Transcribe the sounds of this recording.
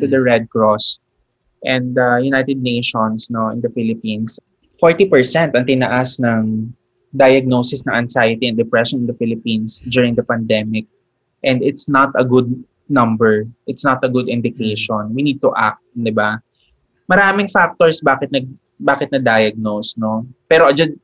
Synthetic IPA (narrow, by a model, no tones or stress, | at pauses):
t̪ud̪ɐɹɛd̪̚kɹɔs | ʔɛ̃nd̪ɐjʊnajt̪ɛd̪̚nejʃɔnsnoʔɪ̰̃nd̪ɐfɪlɪpĩns | foɹt̪ipɛɹsɛ̃nt̪ɐŋt̪ɪnɐʔasnɐŋ | d̪ajɐɡ̚nosɪsnɐŋʔɐnsajɪt̪iɛ̃nd̪ɛpɹɛʃɔnɪ̃nd̪ɐfɪlɪpĩnsd͡ʒ̪ʊɹɪ̃ŋd̪ɐpɐnd̪ɛmɪk̚ | ʔɛ̃nd̪ɪt̪snɐt̪ɐɡʊd̪̚ | nɐ̃mbɛɹʔɪt̪snɐt̪ɐɡʊd̪ɪ̃nd̪ɪkeʃɔnwinid̪̚t̪uʔa̰k̚t̪̚d̪ɪba | mɐɾaːmɪŋfak̚t̪oɹsbaːkɪt̪̚nɐɡ̚ | baːkɪt̪̚nɐɡ̚d̪ajɐɡ̚nowsno̞pɛːɾoʔɐd͡ʒɐd̪̚